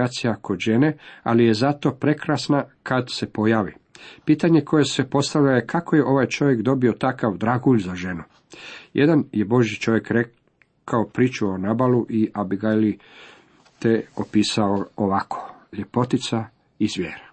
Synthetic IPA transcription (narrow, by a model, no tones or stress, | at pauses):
at̪sijako̞d̪ʒe̞nea̰lije̞zat̪o̞pɾe̞kɾasnakad̪se̞po̞jaːʋḭpiːt̪aɲe̞kʰo̞je̞se̞po̞st̪aʋʎajekʰako̞je̞ʔo̞ʋaːjt͡ʃo̞ʋje̞kd̪o̞bio̞t̪akaʋd̪ɾaɡuʎʲzaʒe̞nu | jʔḛd̪anjebo̞ʒjit͡ʃo̞ʋje̞kɾe | kaopɾiːt͡ʃuonaːbaluʔiʔabiɡali | t̪eopiːsaooʋakʰo̥ʎe̞po̞t̪it̪sa | izʋʲjḛːɾa